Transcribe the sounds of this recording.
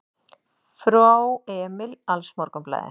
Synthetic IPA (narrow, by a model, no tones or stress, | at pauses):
fɾawɛːmɪlalsmɔɾkʏmpla̰ːjðɪ̰